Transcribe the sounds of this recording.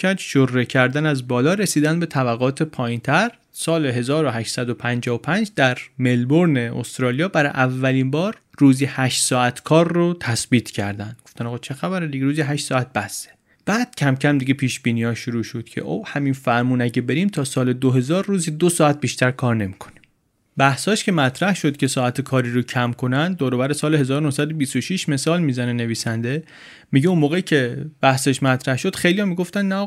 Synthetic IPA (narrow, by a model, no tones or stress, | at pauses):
æɾd̪ʃoɾːecʰæɾd̪ænæzbɒːlɒːɾesiːd̪ænd̪be̞t̪ʰæbæɣɒːt̪ʰepʰɒːjint̪ʰæɾ | sɒːleɦe̞zɒːɾoɦæʃsæd̪opʰænd͡ʒɒːvopʰænd͡ʒd̪æɾme̞lboɾneo̰st̪ɾɒːlijɒːbæɾɒ̰ʔævːæliːnbɒːɾ | ruːzihæʃt̪sɒːæt̪ʰkʰɒːɾːot̪ʰæsbiːt̪ʰcʰæɾd̪ænd̪̚ɡo̞ft̪ænɒːɣɑːt͡ʃʰexæbæɾid̪iɡeɾuːziɦæʃt̪sɒːæt̪̚b̥æse̥ | b̥æːd̪̥̚cʰæmcʰæmd̪iɡepʰiːʃb̥iːniːɒːʃuɾuːʃod̪̥cʰḛʔo̰whæmiːnfæɾmuːnæɟebe̞ɾiːmt̪ʰɒːsɒːled̪oɦe̞zɒːɾːuːziːd̪osɒːæt̪̚biːʃt̪æɾkʰɒːɾne̞mikʰo̥ni̥m | bæhsɒːʃcʰe̞mæt̪ʰɾæhʃod̪cʰʲe̞sɒːæt̪ʰekʰɒːɾiːɾocʰæmkʰo̞nænd̪̚d̪ɒːɾobæɾesɒːleɦezɒːɾonohsæd̪obisoʃiʃme̞sɒːlmiːzænene̞viːsænd̪e̞ | miɟeunmoːɣeicʰe̞bæhseʃmæt̪ʰɾæhʃod̪̥xejlijɒmiɡoft̪ænnæ